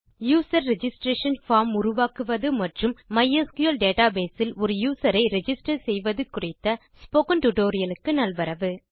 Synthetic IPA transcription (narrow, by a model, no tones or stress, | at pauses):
juːsɐɾːɛd͡ʒɪsʈɾeːʂɐnfaːɾmʊɾʊʋaːkɯʋɐðɯmɐʈrɯmːɐjɐskʊjɐlɖeːʈaːbeːsɪlɔɾɯjuːsɐɾɐɪɾɛd͡ʒɪsʈɐɾsɛjʋɐðɯkʊrɪt̪ːɐ | spoːkɐnʈʊʈoːɾɪjɐlɯkːɯnɐlʋɐɾɐʋɯ